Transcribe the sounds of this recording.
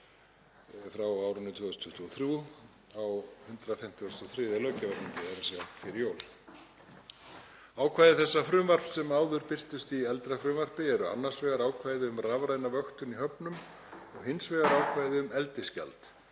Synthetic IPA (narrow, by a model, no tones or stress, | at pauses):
fɾawaːwɾʏnːɪt̪ʰvœːðʏst̪ʰʏht̪uɔθɾju | awhʏnt̪ɾafɛm̥t̪ɪɔst̪ɔθɾɪːðɪlœːcavaɾniɲc̪ɪɛɾsɛḁfɪɾɪjoːwl | aːwkʰvaːjðɪθɛsːafɾʏːmvar̥psɛmaːwðʏɾpɪr̥t̪ʏst̪iɛlt̪ɾafɾʏːmvar̥pɪɛɾʏa̰nːar̥svɛːɣaɾaːwkʰvaːjðɪʏmravɾajnavœxt̪ʏniɦœpnʏm | ɔɣhɪnsvɛːɣaɾaːwkʰvaːjðɪʏmɛlt̪ɪsca̰lt̪